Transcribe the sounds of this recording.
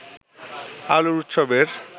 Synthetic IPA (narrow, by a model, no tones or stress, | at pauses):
aloɾut̪ʃobeɾ